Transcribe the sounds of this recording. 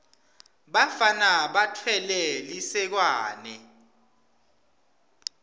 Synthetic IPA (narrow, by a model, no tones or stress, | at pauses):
ɓafanaɓatʰwɛlɛlisɛk̬waːnɛ